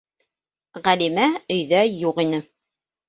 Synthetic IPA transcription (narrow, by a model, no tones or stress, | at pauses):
ʁælimæɵ̆jðæjuqinɘ